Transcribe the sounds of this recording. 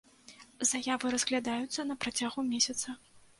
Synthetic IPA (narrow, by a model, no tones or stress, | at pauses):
zajavɨɾɐzɣlʲad̪ajut̪sːɐnɐpɾat͡sʲaɣumʲesʲɐt̪sɐ